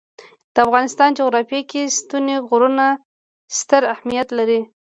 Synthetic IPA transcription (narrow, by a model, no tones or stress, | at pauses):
d̪̥əafɣɑnɪst̪ɑnd͡ʒoɣɾɑfjekest̪uneɣʊɾuna | st̪əɾahmijat̪laɾi